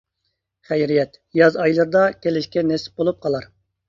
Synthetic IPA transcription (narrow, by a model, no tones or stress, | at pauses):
χɛjɾijɛt̪ | jɑzɑjlˠɨɾd̪ɑkʲelɪʃkʲɛnɛsɪ̥p̚bolˠup̚qʰɑlˠɑɾ